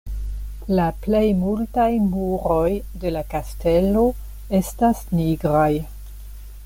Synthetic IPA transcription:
laple̞jmultajmuɾo̞j | de̞lakaste̞lo̞ | e̞stasniɡɾaj

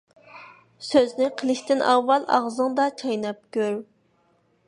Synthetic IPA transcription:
søznɪqʰəlˠɪʃt̪ɪnʔɑwːɑlˠɑ̰ʁzɨŋd̪ɑt͡ʃʰɑjnɑp̚kʲøɾ

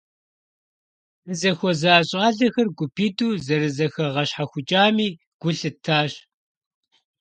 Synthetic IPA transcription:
ɨzɐxʷɔzaːɕʼaːɮɐxɐrɡʷʊpʰiːduːzɐɾɨzɐxɐʁɐɕħaxʷʊt͡ʃʼaːmiː | ɡ̥ʷʊɬɨtʰaːɕʼ

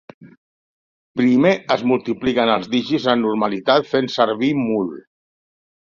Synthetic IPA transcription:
pɾimeəzmulˠt̪iplikənəlˠzðiʒizənnuɾmalit̪at̪fensəɾβimul

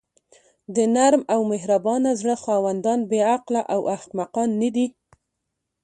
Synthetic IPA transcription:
d̪ənaɾmawmɪɦɾabɑnazɽəxɑwand̪ɑnbeaqlaʔawʔahqmaqɑnːəd̪i

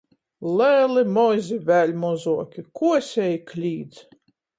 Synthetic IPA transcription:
lɛːlimɔzʲivʲælʲmɔzuɔkʲikuɔsʲɛjklʲiːd̪z

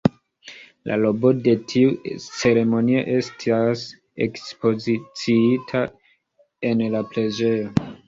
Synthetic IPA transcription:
lʔa̰lo̞bo̞de̞tʰiut͡se̞ɾe̞mo̞nio̞̰ʔe̞stʰas | ḛkspo̞zit͡siitʰa | e̞nlapɾe̞d͡ʒe̞jo̞

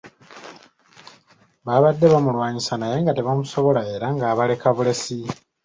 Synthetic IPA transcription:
βaβadːe̞βamulwaːɲisanaje̞ːŋɡateβamuso̞βo̞lae̞ːɾaŋɡaːβale̞kaβule̞si

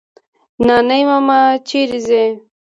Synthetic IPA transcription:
nanajmamat͡ʃiɾize

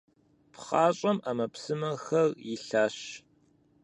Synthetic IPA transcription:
pʰχɑːɕʼɐmaːmɐpsɨmɐxɐrjɪɬaːɕ

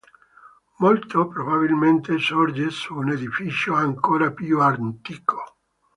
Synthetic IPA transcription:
molt̪opɾobaβilment̪esoɾd͡ʒesuːned̪ifit͡ʃoaŋkoːɾapjuant̪iːkʰo̥

